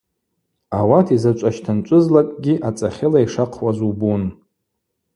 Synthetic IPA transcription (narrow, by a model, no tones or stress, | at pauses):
awatʰizat͡ʃʷʼaʃtʰant͡ʃʷʼʊzlakʼɡʲiʔat͡sʼaχʲɪlaiʂaqʰwazubun